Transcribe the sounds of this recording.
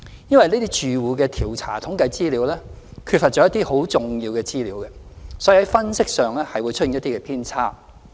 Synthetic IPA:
jɐ˥nwɐ˨jneː˥t̪i˥t͡ʃyː˨wuː˨˧kɛː˧t̪ʰiː˨˩wt͡sʰa̰ː˨˩t̪ʰʊ˨˥ŋkɐ˨˧jt͡siː˥liː˨˥wlɛː˥kʰy˧tfɐ˨tt͡ʃːɔː˧˥jɐ˥t̪ːiː˥ho˨˥wt͡sʊ˨ŋjiː˧wkɛː˧t͡siː˥liː˨˥wkɛ˧sɔː˨˥ji˨˩hɐ˨˦jfɐ˥nsɪ˥k̚sœː˨ŋlɛː˥hɐ˨jwuː˨˧jt͡ʃʰɵ˥i˨˦jɐ˥t̪i˥kɛ˧pʰiː˥nt͡sʰaː˥˩

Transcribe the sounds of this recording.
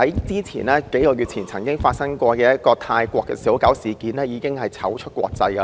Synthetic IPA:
ɐ˨˥jt͡siː˥t͡sʰḭː˨˩nɛː˥ke˨˥jkɔː˧ɥy˨t̚t͡sʰiː˨˩nt͡sʰɐ˨˩ŋkɪ˥ŋfaː˧t̚sɐ˥ŋkʷɔː˧kɛː˧jɐ˥t̚kɔː˧t̪ʰaː˧jkʷɔː˧kːɛ̰˧siː˨˥wkɐ˨˥wsiː˨˩kiː˨˥nlɛː˥jiː˨˧kɪ˥ŋhɐ˨jt͡sʰɐ˨˥wt͡ʃʰɵ˥kʷwɔ̰ː˧k̚t͡sɐ˧jkɐ˧

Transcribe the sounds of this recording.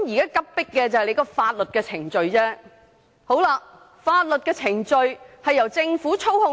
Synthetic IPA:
mjiː˨kaː˥kɐ˥p̚pɪ˥kːɛː˧t͡sɐ˨˩hɛ˨jle˨˧˥kɔː˧faː˧t̚lɵ˨t̚kɛː˧t͡sʰɪ˨˩ŋt͡sɵ˨ɥt͡sɛː˥ | ho˨˥wlaː˧ | faː˧t̚lɵ˨t̚kɛː˧t͡sʰɪ˨˩ŋt͡ʃɵ˧ɥhɐ˨jɐ˨˩wt͡sɪ˧ŋfuː˨˥t͡sʰo˥whʊ˧

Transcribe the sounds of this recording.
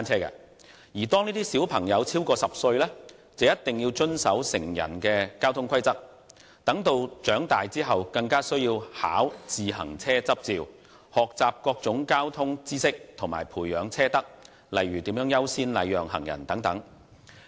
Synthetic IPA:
aː˥nt͡sʰɛː˥kɛ̰˧ | jiː˨˩t̪ɔː˥ŋniː˥t̪iː˥siː˨˥wpʰɐ˨˩ŋjɐ˨˧wt͡sʰiː˥wkɔː˧sɐ˨p̚sɵ˧ɥlɛ˥t͡sɐ˨˧wjɐ˥t̪ɪ˨ŋjiː˧wt͡ʃɵ˥nsɐ˨˥wsɪ˨˩ŋjɐ̰˨˩nkɛː˧kaː˥wt̪ʰʊ˥ŋkʰɐ˥jt͡sɐ˥k̚ | t̪ɐ˨˥ŋt̪o˧wt͡ʃœː˨˥ŋt̪aː˨jt͡siː˥ɦɐ˨wkɐ˧ŋkaː˥sɵ˥ɥjiː˧wha̰ː˨˥wt͡siː˨hɐ̰˨˩ŋt͡sʰɛː˥t͡sɐ˥p̚t͡siː˨˧w | hɔː˨k̚t͡saː˨p̚kɔː˧k̚t͡sʊ˨˥ŋkaː˥wt̪ʰʊ˥ŋt͡siː˥sɪ˥k̚t̪ʰŋmaː˨˩jpʰuː˨˩jːœː˨˧˥ŋt͡sʰɛː˥t̪ɐ˥k̚ | lɐ˨jɥyː˨t̪iː˨˥mjœː˨˥ŋjɐ˥wsiː˥nlɐ̰˨˧jjœː˨ŋhɐ̰˨˩ŋjɐ̰˨˩nt̪ɐ˨˥ŋt̪ɐ˨˥ŋ

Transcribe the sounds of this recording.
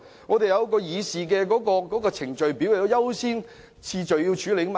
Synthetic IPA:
ŋɔː˨˧d̪e˨jɐ˨˧wkɔː˧jiː˨˧siː˨k̬ɛ˧kɔː˨˥kɔː˧kɔː˨˥kɔː˧t͡sʰɪ˨˩ŋt͡ʃɵ˨ɥpiː˨˥wle˨˩ɔ˨˧˥jɐ˥wsiː˥n | t͡sʰiː˧t͡ʃɵ˨ɥjiː˧wt͡ʃʰyː˨˥le˨˧˥ma˨

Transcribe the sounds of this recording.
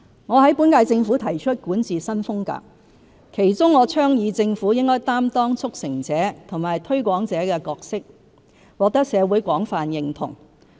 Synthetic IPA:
ŋɔː˨˧ɦɐ˨˥jpu˨˥nkaː˧jt͡sɪ˧ŋfuː˨˥t̪ʰɐ˨˩jt͡ʃʰɵ˥t̚kuː˨˥nt͡siː˨˩sɐ˥nfʊ˥ŋka̰ː˧k̚ | kʰe˨˩jt͡sʊ˥ŋːɔː˨˧t͡sʰœː˥ŋjiː˨˧t͡sɪ˧ŋfuː˨˥jɪ˥ŋkɔː˥jt̪aː˥mt̪ɔː˥ŋt͡sʰʊ˥k̚sɪ˨˩ŋt͡sɛː˨˥t̪ʰʊ˨˩ŋmaː˨˩jt̪ʰɵ˥ɥkʷɔː˨˥ŋt͡sɛː˨˥kɛː˧kɔː˧k̚sɪ˥k̚ | wɔː˨˧k̚t̪ɐ˥k̚sɛː˨˧wuː˨˥jkʷɔː˨˥ŋfaː˨njɪ˨ŋt̪ʰʊ̰˨˩ŋ

